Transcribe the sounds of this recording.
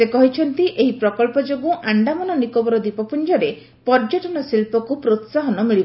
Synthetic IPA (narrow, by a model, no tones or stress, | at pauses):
sekɔɦit͡ʃʰɔnt̪iʔeɦipɾɔkɔlpɔd͡ʒoɡuʔaɳɖamɔnɔnikobɔɾɔd̪ipɔpund͡ʒɔɾe | pɔɾd͡ʒɔʈɔnɔsilpɔkupɾot̪saɦɔnɔmiɭib